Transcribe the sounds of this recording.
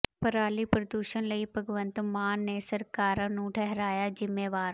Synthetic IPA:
pəɾaːlipɾəd̪uːʃənləipəɡʋə̃nt̪maːnːesəɾkaːɾãnũʈʰɛɦɾaːjaːd͡ʒɪmːeːʋaːɾ

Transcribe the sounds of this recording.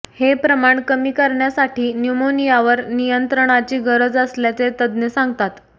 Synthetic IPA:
hepɾəmaɳkəmiːkəɾɳjasaʈiːnjumonijaʋəɾnijənt̪ɾəɳ̃at͡ɕiːɡəɾəd͡zəsljat͡set̪əd̪nəsãŋɡt̪at̪

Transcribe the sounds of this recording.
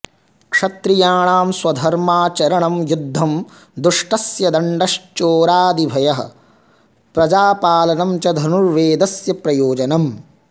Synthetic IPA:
kʂɐt̪ɾijaːɳaːmswɐd̪ʱɐɾmaːt͡ʃɐɾɐɳɐmjud̪ʱːɐm | d̪ɾuʂʈɐsjɐd̪ɐɳɖɐʃt͡ʃoːɾaːd̪ibʱɐjɐɦɐ̰̆ | pɾɐd͡ʒaːpaːlɐnɐmt͡ʃɐd̪ʱɐnuɾʋeːd̪ɐsjɐpɾɐjoːd͡ʒɐnɐm

